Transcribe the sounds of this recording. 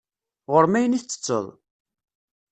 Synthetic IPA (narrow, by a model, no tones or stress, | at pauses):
ʁʊɾmæjəniθt͡sːə̥t͡sːə̰ðˤ